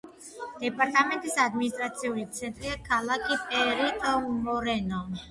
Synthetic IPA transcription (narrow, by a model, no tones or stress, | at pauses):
d̪̥ɛpʼaɾt̪ʼamɛnt̪ʼisad̪minist̪ʼɾat̪sʰiulit̪sʰɛnt̪ʼɾiakʰalˠakʰipʼɛɾit̪ʼɔmɔɾɛnɔn